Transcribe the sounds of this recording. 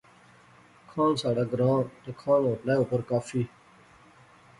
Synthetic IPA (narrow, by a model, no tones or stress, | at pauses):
kʰãːnsaːɽaːɡɾãːt̪akʰãːnoːʈlaːuːpəɾkaːfiː